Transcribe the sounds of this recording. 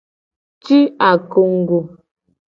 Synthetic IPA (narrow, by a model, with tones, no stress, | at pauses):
t͡ʃi˦a˨ko˨ŋ̩˨ɡu˨